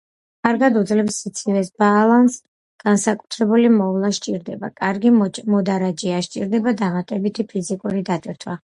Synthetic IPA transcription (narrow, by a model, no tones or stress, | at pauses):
kʼaɾɡad̪ud̪zlɛpsit̪sʰivɛsb̥aːlˠans | ɡ̥ansakʼu̥t̪ʰɾɛbulimɔvlˠaʃt͡ʃʼiɾd̪ɛba̰kʼaɾɡimɔd̪aɾad͡ʒiaʃt͡ʃʼiɾd̪ɛbad̪aʁat̪ʼɛbit̪ʰipʰizikʼuɾid̪at̪ʼɛɾt̪ʰwa